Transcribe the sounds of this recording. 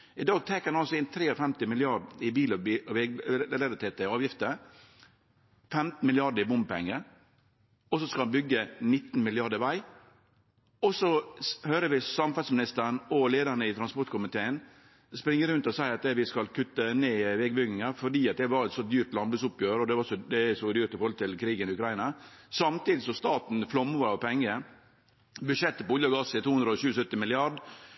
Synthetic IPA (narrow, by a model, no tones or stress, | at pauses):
ɪd̪ɑːɡt̪ʰɛkəɑnɑlsɔɪnt̪ʰɾeːɔfɛmt̪ɪmɪlɪɑɾɖɪbiːlʋɛlɛɾɪt̪ʰeːt̪əɑːʋjɪft̪ə | fɛmt̪n̩mɪlɪɑɖəɾɪbʊmbpɛ̰ŋːə | ɔsɔskɑɑnbʏɡːənɪt̪ːn̩mɪlɪɑɖəʋæɪ | ɔsɔhøːɾəʋɪsɑmfɑsmɪnɪst̪əɳɔleːd̪əɾnəɪt̪ɾɑnspɔɾʈ̪kʰʊmɪt̪ʰeːən | spɾɪŋːəɾʉnt̪ɔsæɪɑt̪ɛʋɪskɑlkʰʉt̪ːəneːʋɛɡbʏɡnɪŋɑɾfɔɖiːɑt̪̚d̪ɛʋɑɾɛt̪sɔd̪yːɾt̪lɑnb̪ʉsʊpjøːɾɔd̪ɛʋɑsɔd̪ɛsɔd̪yːɾt̪ɪfɔɾhɔlət̪ʰɪlkʰɾiːɡənɪʉkʰɾɑɪnɑsɑmt̪iːd̪ɪsɔst̪ɑːt̪n̩flɔmːəʋɑɾɑʋpʰɛŋːə | bʉʂɛt̪ːəpɔʊljɑɡɑsɪt̪ʰuːhʉnd̪ɾəɔɕʉːəsœt̪ːɪmɪlɪɑɖ